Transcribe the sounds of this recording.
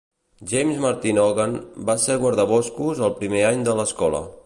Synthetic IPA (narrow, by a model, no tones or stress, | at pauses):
ʒejmzmaɾt̪inɔɣanbaseɣwəɾðəβɔskuzəlˠpɾimeaɲd̪ələskɔlə̰